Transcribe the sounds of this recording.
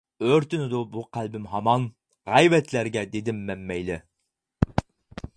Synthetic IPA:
øɾt̪ynɪd̪ubuqʰælbɪmɦɑmɑn | ʁɑjvɛt̪ʰlæɾɡʲɛd̪ed̪ɪmːɛmːɛjlɪ

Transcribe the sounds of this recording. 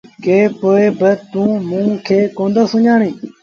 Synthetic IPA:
keːpoːeːbət̪ũːmũːkʰeːkõːnd̪aːsʊɲaːɳẽː

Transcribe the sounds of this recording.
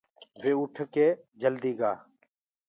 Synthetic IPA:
beːʊʈʰkeː | d͡ʒəld̪iːɡaː

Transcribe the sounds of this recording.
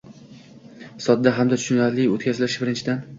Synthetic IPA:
sɒd̪̚d̪aɦamd̪at̪ʰʊ̥ʃʊnaɾlɪo̰t̪̚kʰʲazɪlɪʃbɪɾɪnt͡ʃʰɪd̪an

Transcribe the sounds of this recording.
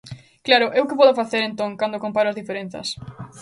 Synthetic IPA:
klaɾʊʔewkɪpɔðʊfaθeɾẽnt̪õŋkand̪okompaɾʊɐzðifeɾen̟θɐ̰s

